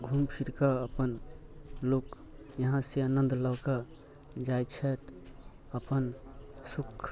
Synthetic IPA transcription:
ɡʱumpʰiɾkaəpən | lok | jəɦãseanə̃nd̪ləwka | d͡ʒajt͡ʃʰɛt̪ | əpənsukʰ

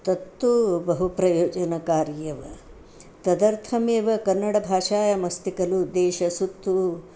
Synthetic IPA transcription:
t̪ɐt̪ːubɐɦupɾɐjoːd͡ʒɐnɐkaːɾjɐʋɐ̰ | t̪ɐd̪ɐɾt̪ʰɐmeːʋɐkɐnːɐɽɐbʱaːʂaːjɐmɐst̪ikɐlud̪ɛːʃɐsut̪ːu

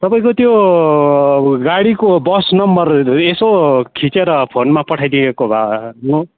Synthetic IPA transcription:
t̪ʌpaĩkot̪jo | ɡaɽikobʌsnʌmbʌresokʰit͡seɾʌpʰonmapʌʈʰajd̪iekobʱano

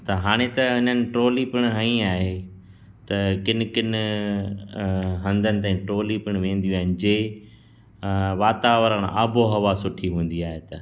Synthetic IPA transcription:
t̪ɐɦaːɽ̃et̪ɐɐn̤ənɪ̆ʈɾoːlipɪɽ̃ɦɐ̃ĩaːɦe | t̪ɐkɪn̆kɪn | ɦɐ̃nd̪ʱənɪt̪aːĩʈɾoːlipɪɽ̃ʋẽːn̆d̪ijũaːɦɪnɪd͡ʑeː | ʋaːt̪aːʋəɾəɽ̃a̰ːbʱoɦɐʋasʊʈʰiɦũːn̆d̪iaːɦet̪ɐ

